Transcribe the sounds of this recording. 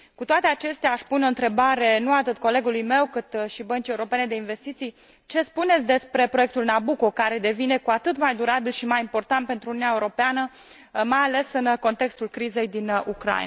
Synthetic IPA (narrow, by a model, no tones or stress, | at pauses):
kut̪oat̪e̞at͡ʃe̞st̪eaːʃpuno̞ɨnt̪ɾe̞baɾe̞nuat̪ɨt̪ko̞le̞ɡulujme̞wkɨt̪ʃibənt͡ʃijeuɾo̞pe̞ned̪e̞inve̞st̪it̪sij | t͡ʃe̞spunet̪sʲd̪e̞spɾe̞pɾo̞je̞k̚t̪ulnabuko̞kaɾe̞d̪e̞vine̞kuat̪ɨt̪majd̪uɾabilʃimajimpo̞rt̪ant̪̚pent̪ɾununaeuɾo̞peanə | majale̞sɨnko̞nt̪e̞kst̪ulkɾize̞jd̪inukɾa̰j̰